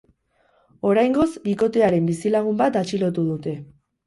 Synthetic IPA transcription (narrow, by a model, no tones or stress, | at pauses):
o̞ɾajŋɡo̞zbiko̞t̪e̞aɾe̞mbisilaɣ̞umbat̪at͡ʃilo̞t̪uðut̪e̞